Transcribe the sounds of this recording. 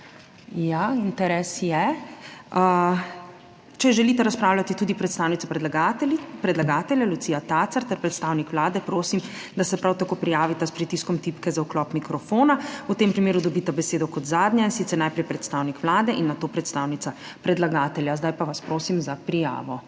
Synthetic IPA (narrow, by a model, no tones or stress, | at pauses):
jaint̪ɛɾɛːsjɛ | ə | t͡ʃɛʒɛlit̪ɛɾaspɾaːwlʲat̪it̪uːd̪ipɾɛt̪st̪aːwnit̪sapɾɛd̪laɡapɾɛd̪laɡaːt̪ɛljalut̪siːjat̪aːt̪saɾt̪ɛɾpɾɛt̪st̪awnikʋlaːd̪ɛpɾoːsim | d̪asɛpɾawt̪akoːpɾijaːʋit̪aspɾit̪iskɔmt̪iːpkɛzauklɔːpmikɾɔfoːnaut̪eːmpɾimeːɾud̪ɔbit̪abɛseːd̪ɔkɔt̪zaːd̪njainsit̪sɛɾnajpɾɛjpɾɛt̪st̪aːwnikʋlaːd̪ɛʔinːat̪oːpɾɛt̪st̪aːwnit̪sa | pɾɛd̪laɡaːt̪ɛljazd̪ajpaʋaspɾoːsimzapɾija̰ːʋɔ